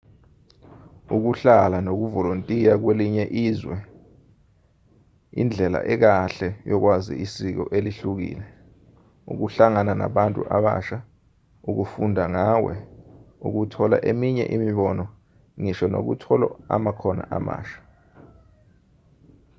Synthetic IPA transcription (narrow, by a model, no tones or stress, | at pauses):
uk̬uɬalanok̬uvɔlontʼijak̬weliɲɛʔiːzwɛ | ind͡ɮʱɛla̰ʔɛk̬aɬɛjɔk̬wazḭisik̬ɔ̰ʔeliɬuk̬ḭːlɛ | ṵk̬uɬaŋanana̰ɓantʼuʔaɓa̰ʃa | uk̬ufundʱaŋawɛ̰uk̬utʰɔla̰ʔemiɲɛ̰ʔimiɓɔnɔ | ŋiʃɔno̰k̬ṵtʰɔlɔ̰a̰makʰɔna̰ʔa̰ma̰ːʃḁ